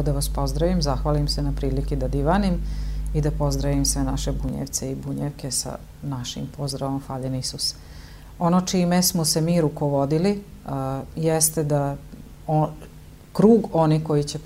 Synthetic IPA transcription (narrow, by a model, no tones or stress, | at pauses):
d̪aʋaspo̞zd̪ɾaʋimzaxʋaːlimsenapɾiːlikid̪ad̪iʋanimid̪apo̞zd̪ɾaʋimsʋenaʃe̞buɲḛʋt̪seibuɲeʋke̞sa̰ | naʃḭmpo̞zd̪ɾaʋo̞mfaːʎenisus | o̞no̞t͡ʃime̞smosemiːɾuko̞ʋo̞d̪ili | jest̪ed̪a | o | kɾuːɡo̞niko̞jit͡ɕe̞